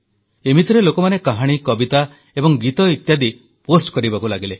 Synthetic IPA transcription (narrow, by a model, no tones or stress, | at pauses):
emit̪iɾelokɔmanekaɦaɽ̃ikɔbit̪a | ebɔŋɡit̪ɔit̪jad̪i | posʈkɔɾibakulaɡile